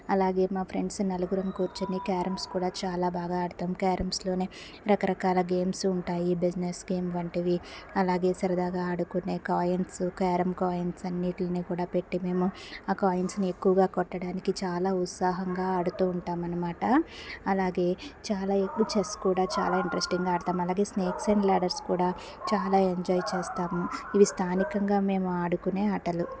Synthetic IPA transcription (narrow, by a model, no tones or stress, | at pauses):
ɐlaːɡe̞ːmaːpʰɾe̞ɳɖsnɐluɡuɾɐmkuːɾt͡ʃinikaːɾɐmskuːɽaːt͡ʃaːlaːbʱaːɡaːɐɽut̪aːmkaːɾɐmslo̞ːneː | ɾɐkɐɾɐkaːlɐɡeːmsuɳʈaːjibid͡ʒnesɡe̞ːmʋɐɳʈiʋiɐlaːɡe̞ːsɐɾɐd̪aːɡaːɐɽukunːe̞ːkaːjɐnsukaːɾɐmkaːjɐnsɐnːiːʈlɐnikuːɽaːpe̞ʈːime̞ːmuaːkaːjɐɳʈsnie̞kːuʋɐɡaːkɔʈːɐɽaːnikit͡ʃaːlaːut̪saːɦɐŋɡaːɐɽut̪uːɳʈaːmɐnɐmaːʈɐːlaːɡe̞ːt͡ʃaːlaːekːut͡ʃeskuːɽaːt͡ʃa̰ːlaːiɳʈɾesʈiŋɡaːɐɽt̪aːmɐlaːɡe̞ːsneːkseːɳɖlaːɽɐɾskuːɽaː | t͡ʃaːlaːe̞ɲd͡ʒɔːjt͡ʃeːst̪aːmuiʋist̪ʰaːnikɐŋɡaːme̞ːmuaːɽukune̞ːɐʈɐlu